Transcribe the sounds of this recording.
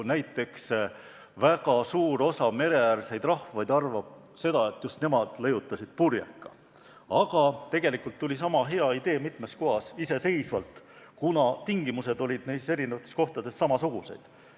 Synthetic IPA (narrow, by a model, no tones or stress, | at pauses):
næjt̪ːˑe̞ks | væɡ̥ɑsuːɾo̞sɑme̞ɾe̞ærse̞jd̪rɑhvɑjd̪ɑrvɑb̥̚ | se̞d̪̥ɑe̞t̪ːjust̪ne̞mɑd̪̥lɤjut̪ˑːɑsid̪̥̚purjɑ̰kːˑɑ | ɑɡ̥ɑt̪e̞ɡ̥e̞likult̪ːulʲis̬ɑmɑɦe̞ɑid̪e̞ːmit̪ˑme̞sko̞ɦɑsise̞se̞jsvɑlt̪ˑ | kunɑt̪iŋɡimuse̞d̪o̞lʲid̪̥nejse̞ɾinevɑt̪ːˑesko̞ht̪ɑd̪e̞sːɑmɑsuɡ̥use̞̰jd̪̥